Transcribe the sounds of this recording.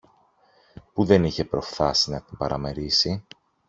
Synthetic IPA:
puðe̞niçe̞pɾo̞fθɐsinɐt̪imbɐɾɐme̞ɾisi

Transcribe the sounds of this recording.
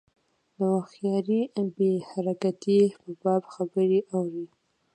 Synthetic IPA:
d̪əwaxjɑɾibehaɾakat̪ipəbɑbxabəɾiʔawɾi

